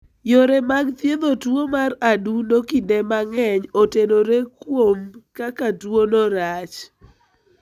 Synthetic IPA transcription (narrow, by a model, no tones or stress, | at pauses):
joɾemaɡt̪jed̪otwomaɾadunokindemaŋɛɲotenoɾekwomkakatwonɔɾat͡ʃ